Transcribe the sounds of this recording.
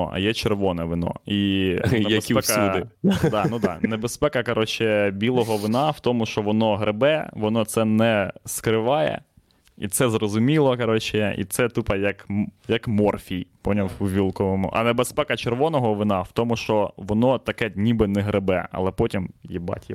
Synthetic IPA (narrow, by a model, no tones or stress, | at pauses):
ɔɐ̰jɛt͡ʃerʋɔnɛʋɪnɔ̰iɛɐsipɛkɐɪd̪ɑnud̪ɑ̰nebespɛkɐkɐɾʔɔt͡ʃɪbʲilˠɔɦɔʋɪnɑwt̪ɔmʊʃt͡ʃɔʋɔnɔɦɾebɛʋɔnɔt̪sɛnɛskɾɪʋɑjɛ̰ | ḭt̪sɛzrɔzʊmʲilˠɔkɐɾɔt͡ʃɪḭt̪sɛt̪upɐjɐkjɐkmɔrfʲijpɔnʲɐuʋʲilˠkɔʋɔmʊ̰ʔɐ̰nebespɛkɐt͡ʃerʋɔnɔɦɔʋɪnɑwt̪ɔmʊʃt͡ʃɔʋɔnɔt̪ɐkɛnʲibɪnɛɦɾebɛɐ̰lˠɛpɔtʲimjɛbɑ̰tʲji